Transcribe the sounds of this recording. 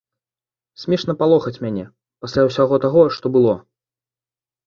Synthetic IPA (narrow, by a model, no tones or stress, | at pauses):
sʲmʲɛʂnɐpalˠɔxɐt͡sʲmʲanʲɛ | pasʲlʲawsʲaɣɔt̪aɣɔʂt̪ɔbɨlˠɔ